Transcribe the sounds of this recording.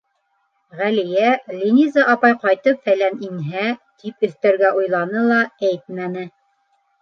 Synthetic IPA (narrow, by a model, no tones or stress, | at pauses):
ʁælɘ̆jælʲinʲizɑʔɑpɑjqɑjt̪ɤpfælæninɦæt̪ipɵ̆θt̪æɾɡæʔujlˠɑnɤlˠɑæjt̪̚mænɘ